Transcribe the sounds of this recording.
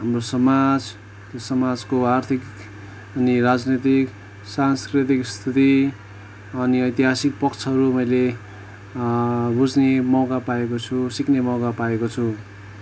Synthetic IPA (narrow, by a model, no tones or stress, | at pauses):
ɦamrosʌmad͡z | t̪josʌmad͡zkoart̪ʰik | ʌnirad͡znet̪ik | sanskrit̪ikst̪ʰit̪i | ʌniʌjt̪iɦasik̚pʌkt͡sʰʌɦʌɾumʌjle | bud͡znemʌwɡapaekot͡sʰusiknemʌwɡapaekot͡sʰu